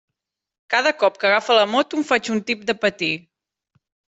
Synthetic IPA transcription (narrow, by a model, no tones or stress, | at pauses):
kaðəkɔp̚kəɣafələmɔt̪umfat͡ʃunt̪ip̚d̪əpət̪i